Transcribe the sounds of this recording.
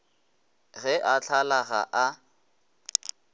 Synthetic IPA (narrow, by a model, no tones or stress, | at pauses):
ɣɛʔat͡ɬʰalaɣa̰ʔa